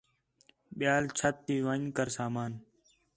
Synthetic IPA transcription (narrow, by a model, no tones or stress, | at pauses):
ɓɪjaːlt͡ʃʰət̪ːiːʋəɲkəɾsaːmaːn